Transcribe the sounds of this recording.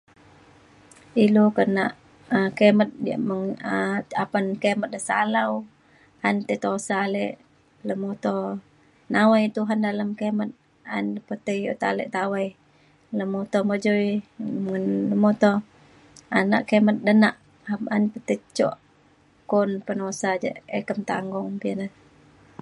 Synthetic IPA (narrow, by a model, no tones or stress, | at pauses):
ilokənaʔ | əkemət̪̚dija̰ʔməŋəapankemət̪̚dəsa̰law | ant̪ət̪osaleʔ | ləmot̪ɔ | nawajt̪uɦandaləmkemət̪̚ | a̰npət̪əjo̰ʔt̪alə̰ʔt̪awaj | ləmot̪ɔməd͡ʒoiŋənləmot̪ɔ | ana̰ʔkəmət̪̚dənaʔ | hamanpət̪ət͡ʃɔ̰ʔ | kɔnpənosad͡ʒə̰ʔəkəmt̪aŋɡɔŋpiənə